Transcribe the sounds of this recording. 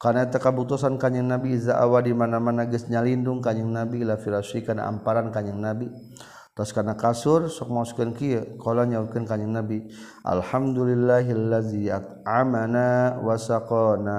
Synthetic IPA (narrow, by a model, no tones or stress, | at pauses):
karnait̪akabut̪usankaɲəŋnabiːzaʔawadimanamanaɡəsɲalindʊŋkaɲəŋnabiːlafiɾasikana̰ʔa̰mpaɾankaɲəŋnabi | t̪ɔskarnakasʊrsɔk̚maskənkikolaɲaukənkaɲəŋnabi | ʔa̰lhamd̪ulilːaɦalːaziat̪̚ʕamanawasaqɔna